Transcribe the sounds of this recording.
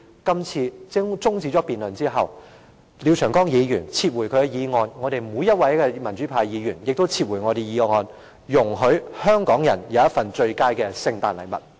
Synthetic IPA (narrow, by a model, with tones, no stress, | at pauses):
kɐ˥mt͡sʰiː˧t͡sɪ˥t͡sʊ˥ŋt͡siː˧˥t͡ʃɔː˨˥piː˨nlɵ˨˩nt͡siː˥ɦɐ˨w | li˨˧wt͡ʃʰœː˨˩ŋkɔː˥ŋjiː˨˧jyː˨˩nt͡sʰiː˧t̚wu˨˩jkʰɵ˧kɛ˧jiː˨˧ŋɔː˧nŋɔː˨˧ɾe˨jmuː˨˧jɐ˥t̚wɐ˨˥jkɛː˧mɐ˨˩nt͡ʃyː˨˥pʰaː˧jjiː˨˧jyː˨˩njɪ˨k̚t̪wt͡sʰiː˧t̚wu˨˩ŋɔː˨˧ɾe˨jjiː˨˧ŋɔː˨˧n | jʊ˨˩ŋɦɵ˨˥ɥhœː˥ŋkɔː˨˥ŋjɐ̰˨˩njɐ˨˧wɐ˥t̚fɐ˨nt͡ʃɵ˧ɥkaː˥jkɛː˧sɪ˧ŋt̪aː˨nlɐ˨jmɐ̰˨t̚